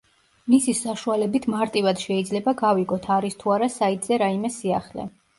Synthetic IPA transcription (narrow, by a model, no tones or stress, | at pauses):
misisaʃualɛbit̪ʰmaɾt̪ʼivad̪̥ʃɛid̪zlɛbaɡaviɡɔt̪ʰaɾist̪ʰuaɾasait̪ʼz̥ɛɾaimɛsiaχlɛ̰